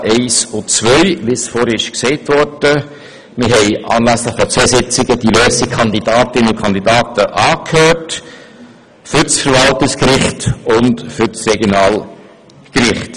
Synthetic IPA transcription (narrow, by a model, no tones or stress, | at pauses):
ʔɛɪsʊt͡svœʏʋɪsfoːɾɪʃksɛɪtvɔɾd̥ə | mɪɾɦɛɪʔɑ̰ːnlæsləχfɔt͡sɛsɪt͡sɪɡəd̥iløːsikʰɑnd̪idɑːtɪnəʊkʰɑnd̪idɑːtəʔɑːkhøːɾt | fʏɾsfəɾvɑltəskɾɪχtʊntfʏɾsrɛɡjonɑːl | kɾɪχt